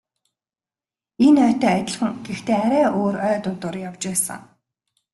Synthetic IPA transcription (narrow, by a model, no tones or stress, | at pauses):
enœːt̪œːat̪ʲɪ̆ɮχə̆ŋɡ̥ext̪eːaɾæːʔoːɾœːt̪ʊnt̪ʊrjawt͡ɕpæːsə̰̆ŋ